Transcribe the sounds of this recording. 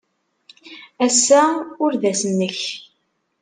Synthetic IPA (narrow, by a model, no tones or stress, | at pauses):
æsːæʊɾðæsənːəç